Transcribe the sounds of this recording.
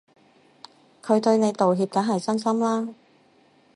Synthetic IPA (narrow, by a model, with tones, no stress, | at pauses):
kʰɵ˨˧ɥt̪ɵ˧ɥne˨˧jt̪o˨wɦiː˧p̚kɐː˨˥ɦɐ˨˩jt͡sɐ˥nsɐ˥mlaː˥